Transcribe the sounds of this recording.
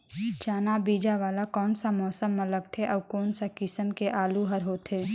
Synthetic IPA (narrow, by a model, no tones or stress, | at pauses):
t͡ʃaːnabiːd͡ʒaʋaːlakɔːnsamɔːsəmːə̃ləɡt̪ʰeʔɔːkɔːnsakɪsəmkeʔaːluɦəɾɦoːt̪ʰeː